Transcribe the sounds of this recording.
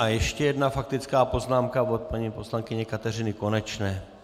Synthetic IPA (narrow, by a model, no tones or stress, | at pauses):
ajɛʃcɛjɛdnafak̚t̪ɪt͡skaːpo̞znaːmkavot̪̚paɲipo̞slaŋkɪɲɛkat̪ɛr̝ɪnɪko̞nɛt͡ʃnɛː